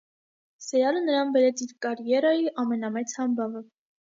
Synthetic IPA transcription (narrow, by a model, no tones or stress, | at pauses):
sɛjɑlənəɾɑnbɛɾɛt͡sʰiɾkɑɾjɛɾɑjiʔɑmɛnɑmɛt͡sʰhɑmbɑvə